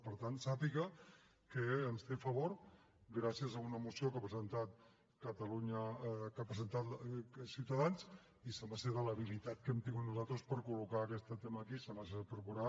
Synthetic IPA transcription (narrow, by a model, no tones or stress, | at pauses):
pəɾt̪ansapiɣə | kəːnst̪efəβoɾ | ɡɾasiəzəunəmusiokapɾəzənt̪at̪̚ | kət̪əluɲəkapɾəzənt̪at̪siwt̪əðans | isəmaseðələβilit̪at̪̚kɛmt̪iŋɡut̪nuzalt̪ɾəspəɾkulukaːkɛst̪ət̪eməkisəmaspɾəkuɾa